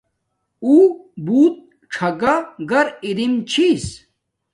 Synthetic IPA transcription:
uːbuːt̪̚ | ʈ͡ʂʰɐɡaɡɐɾiɾimt͡ɕʰiːs

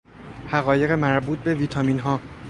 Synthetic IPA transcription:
hæɣɒːje̞ɣe̞mæɾbuːt̪̚ʰbe̞viːt̪ʰɒːmiːnɦɒː

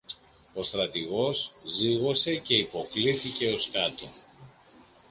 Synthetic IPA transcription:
o̞st̪ɾɐt̪iɣo̞zziɣo̞se̞ce̞ipo̞kliθice̞o̞skɐt̪o

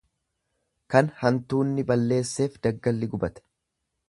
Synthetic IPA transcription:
kɐnhɐnt̪uːnːɪbɐlːe̞ːsːe̞ːfd̪ɐɡːɐlːɪɡʊbɐt̪ɛ̥

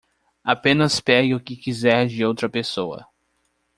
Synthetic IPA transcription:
apẽnɐspɛɡɪʊkɪkizɛɾd͡ʒɪowt̪ɾɐpesowɐ̰

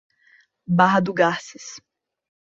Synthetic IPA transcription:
baɦɐd̪ʊɡasɪs

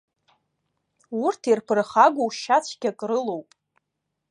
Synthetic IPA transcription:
urtʰirpʰɨrχaɡʷowʃat͡ɕʷʰɡʲakʼrɨlowpʼ

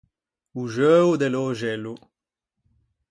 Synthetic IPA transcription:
uʒøːwd̪ɛloʒɛlu

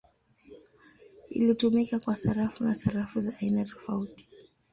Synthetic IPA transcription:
ḭlitumikakwasaɾafunasaɾafuzaʔːinatɔ̥fauti̥

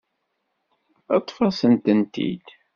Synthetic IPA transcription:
ɑt̪ˤːfɑsənt̪ənt̪ḭd̪̥

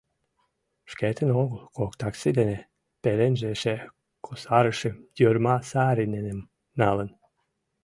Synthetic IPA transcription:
ʃket̪ʰə̆noɡukokt̪aksid̪ene | peɾenʒeʃe | kʰosaɾəʃə̆jøɾmasaɾinenem | nalən

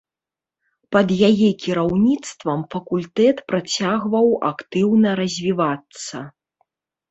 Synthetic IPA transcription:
pɐd̪jajɛkʲiɾawnʲit̪st̪vɐmfɐkulʲt̪ɛt̪pɾat͡sʲaɣvɐwa̰kt̪ɨwnɐɾɐzʲvʲivat̪sːɐ

